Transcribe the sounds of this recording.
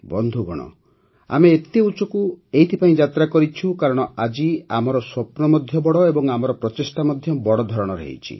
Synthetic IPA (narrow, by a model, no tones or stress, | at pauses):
bɔnd̪ʱuɡɔɽ̃ɔ̰ | a̰meːt̪eut͡ʃɔkuejt̪ʰipaĩd͡ʒat̪ɾakɔɾit͡ʃʰukaɾɔɽ̃ɔad͡ʒiamɔɾɔswɔpnɔmɔd̪ʱjɔbɔɽɔebɔŋamɔɾɔpɾɔtesʈamɔd̪ʱjɔbɔɽɔd̪ʱɔɾɔɽ̃ɔɾḛḭt͡ʃʰḭ